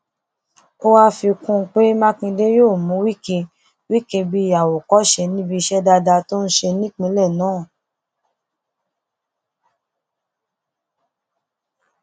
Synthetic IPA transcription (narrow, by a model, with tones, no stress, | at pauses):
o˦wa˦fi˧kũ˦˧k͡pe˦mã˦kĩ˧de˦joː˦˨mũ˨˦wi˦ke˧ | wi˦ke˧bi˦ja˨wo˨kɔ˨˦ʃe˧nĩ˦bi˧ʃɛ˦da˧da˧to˦n̩˦ʃe˧nĩ˦k͡pĩ˨˦lɛ˦˨nãː˨˦˨